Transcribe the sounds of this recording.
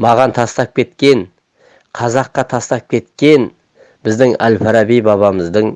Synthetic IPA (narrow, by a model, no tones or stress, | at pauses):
mɑʁɑnt̪ʰɑst̪ɑp̚kʲʰe̞t̪kʲe̞n | qʰɑzɑqːɑt̪ʰɑst̪ɑp̚kʲʰe̞t̪kʲe̞n | bɪzd̪ɪŋæ̰lfaɾɑbijbɑβɑməzd̪əɴ